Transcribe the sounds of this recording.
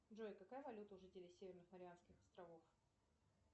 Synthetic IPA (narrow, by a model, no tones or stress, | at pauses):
ʐojkɐkajəvɐlʲut̪əʊʐɨtʲɪlʲɪsʲevʲɪrnɨxməɾʲɪanskʲɪxɐ̥st̪ɾɐvof